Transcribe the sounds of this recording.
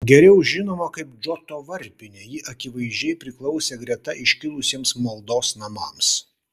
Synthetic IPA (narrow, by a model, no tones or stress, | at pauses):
ɡʲɛɾʲɛʊʒʲɪnoːmɐkɐɪpd͡ʒot̪oːʋɐɾʲpʲɪnʲeːjɪʔɐkʲɪʋɐɪʒʲd͡ʒʲɛɪpʲɾʲɪklˠɔʊsʲeːɡɾʲɛt̪ɐʔɪʃʲkʲɪlˠʊsʲiɛmsmɐlˠd̪oːsnɐmɑːms